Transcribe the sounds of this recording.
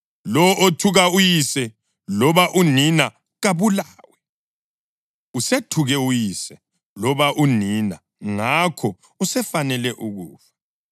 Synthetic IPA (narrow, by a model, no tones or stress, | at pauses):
lɔotʰuɣaujisɛ | lɔβaʔunina | ɣaβulaːwɛ | usetʰuɣɛujisɛ | lɔβaʔunina̰ | ŋakʰɔ | usɛfanɛlɛʔuɣuːfḁ